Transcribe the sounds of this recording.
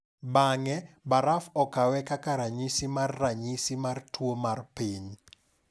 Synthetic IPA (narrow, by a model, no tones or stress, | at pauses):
baŋɛbaɾafɔkawɛkakaɾaɲisimarːaɲisimartwomarpiɲ